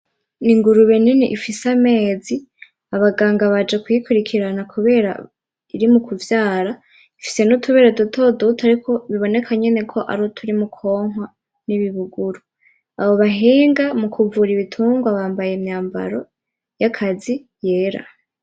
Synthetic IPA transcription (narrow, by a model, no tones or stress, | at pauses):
niŋɡuɾuβe̞ninḭʔifisame̞ːzi | aβaɡaːŋɡaβad͡ʒekujikuɾikʰiɾanakʰuβe̞ːɾa̰ | iɾimukʰuvjaːɾa | ifi̥se̞nutʰuβe̞ːɾedutʰo̞dutaɾikʰo̞βiβo̞ne̞kʰaɲe̞ne̞kʰo̞ʔa̰ɾotʰuɾimukʰo̞ːŋ̥wa | niβiβuɡuɾu | a̰βo̞βaɦiːŋɡamukʰuvuɾiβitʰuːŋɡwaβaːmbajemɲaːmba̰ɾo̞ | jakʰazi | je̞ːɾa̰